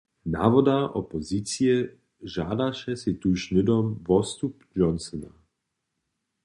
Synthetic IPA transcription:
naːvɔd̪aʔɔpɔzit͡siɛ | ʒaːd̪aʃɛsit̪uʃnɪd̪ɔmʋɔst̪upd͡ʒɔnsɔna̰

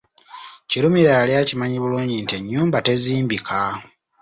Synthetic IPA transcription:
ciɾumiɾaːljacimaɲiβuluːɲɟinteɲːuːmbate̞ziːmbikʰa

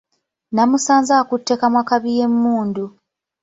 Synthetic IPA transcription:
namusaːnzakutːe̞kamwakaβijemːuːndu

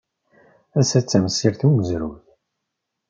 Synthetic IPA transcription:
æsæt͡sːæmsːiɾθuɡəzɾuθ

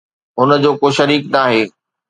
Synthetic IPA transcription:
ʊn̆d͡ʑoːkoːʃɐɾiːknaːɦeː

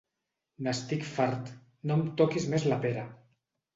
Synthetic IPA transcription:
nast̪ikfaɾt̪ | nomt̪okizmezlapeɾa

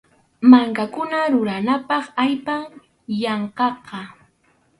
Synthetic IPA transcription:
maŋkakʊnaɾʊɾanapɑχajpaŋ | jɑɴqɑqɑ

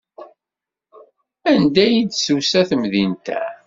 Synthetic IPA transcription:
ænd̪æjid̪susæθəmðint̪æ̰

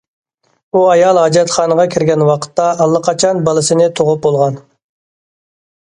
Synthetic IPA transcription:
uɑjɑlˠɦɑd͡ʒɛt̪χɑːnəʁɑkʲʰɪɾɡʲɛnwɑqʰə̥t̪ːɑːlˠːɑqʰɑt͡ʃʰɑnbɑlˠɨsɨnɪt̪ʰoʁʊp̚bolˠʁɑn

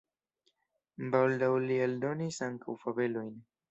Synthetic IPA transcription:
bald̪awlield̪o̞nisaŋkawfave̞lo̞jn

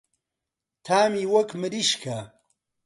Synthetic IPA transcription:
t̪ʰaːmiːwɐkmɨɾiʃkʰa

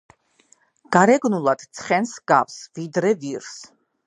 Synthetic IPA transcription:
ɡ̥aɾɛɡnulˠad̪̥t̪sʰχɛnsɡa̰fsvid̪ɾɛviɾs

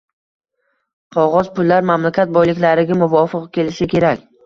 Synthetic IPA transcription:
qʰɒʁɒzpʊlːaɾmamlakʲʰat̪̚bɒjlɪkʲlaɾɪɡʲamʊvɒfɨqkʲʰe̞lɪʃɪkʲʰe̞ɾakʲ

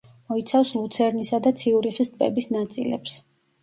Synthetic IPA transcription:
mɔit̪sʰafslˠut̪sʰɛɾnisad̪at̪sʰiuɾiχist̪ʼpʼɛ̰bisnat̪sʼḭlɛ̰ps

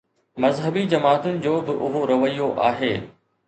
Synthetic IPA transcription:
mɐzɦəbid͡ʑɐmaːt̪ʊnɪ̆d͡ʑoːbɪʔʊɦoɾɐʋəijoʔa̰ːɦeː

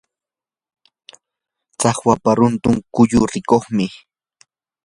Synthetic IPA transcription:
t͡sɑχwapaɾʊnt̪ʊŋkʊʎʊɾɪkoχmɪ

